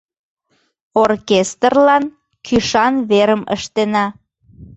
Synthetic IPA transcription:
orkest̪ərlɑn | kʰyʃɑnβeɾəmə̰ʃt̪enɑ

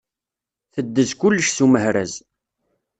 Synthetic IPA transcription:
θəd̪ːəzkʊlːəʃsuməhɾæ̰z

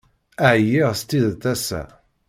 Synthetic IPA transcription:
æʕjiʁst̪iðt̪æsæ̰

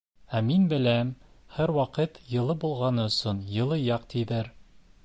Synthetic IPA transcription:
æminbɘ̆læmhæɾwɑqɤt̪jɤ̆lˠɤbulˠʁɑnɤɵ̆sɤnjɤ̆lˠɤjɑq̚t̪iðɘɾ

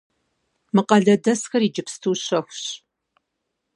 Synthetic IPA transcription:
mɨqɐɮɐdɐsxɐɾiːd͡ʒɪpstʰuːɕɐxʷɕ

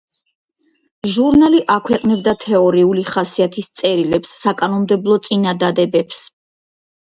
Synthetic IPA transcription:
ʒuɾnaliʔakʰwɛqʼnɛbd̪at̪ʰɛɔɾiuliχasiat̪ʰist̪sʼɛɾilɛpsːakʼanɔmd̪ɛblˠɔt̪sʼinad̪ad̪ɛbɛps

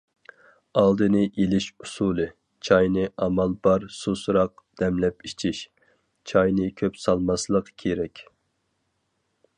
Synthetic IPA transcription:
ɑlˠd̪ɨnɨʔelɪʃusulˠɨ | t͡ʃʰɑjnɨʔɑmɑlˠbɑɾsusuɾɑq̚d̪̥ɛmlɛpit͡ʃʰiʃ | t͡ʃʰɑjnɨkʲʰøpsɑlˠmɑslˠəqkʲʰeɾɛkʲ

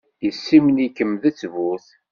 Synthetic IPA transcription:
jəsːimənikːəmðət͡sːvʊθ

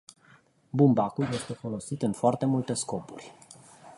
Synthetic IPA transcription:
bumbakulje̞st̪e̞fo̞lo̞sit̪ɨnfoart̪e̞mult̪e̞sko̞purʲ

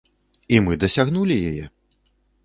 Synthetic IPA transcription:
imɨd̪ɐsʲaɣnulʲijajɛ

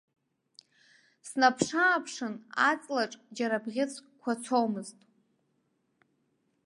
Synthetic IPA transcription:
snapʰʂaːpʰʂɨnat͡sʼlaʈ͡ʂʼd͡ʒaɾabʁʲɪt͡sʰkʷʰat͡sʷʰowmɨztʼ

